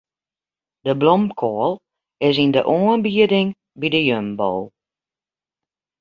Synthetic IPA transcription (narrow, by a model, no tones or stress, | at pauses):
d̥əblɔmkʰɔəlˠ | ɪs̬indəʔoːənbiədɪŋ | bidəjømbɔ̰lˠ